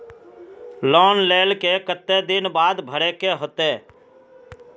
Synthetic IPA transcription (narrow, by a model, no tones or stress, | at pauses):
lɔːnleːlkekət̪ːed̪ɪnbaːd̪bʱəɽeːkeːɦot̪eː